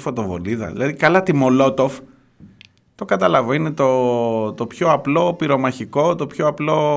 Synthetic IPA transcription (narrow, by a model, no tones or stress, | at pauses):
fo̞t̪o̞vo̞̰liðɐ̰ðḭlɐðikɐlɐt̪imo̞lo̞t̪o̞f | t̪o̞kɐt̪ɐlɐvoinet̪o̞t̪o̞pçoɐplo̞piɾo̞mɐçiko̞t̪o̞pçoɐplo̞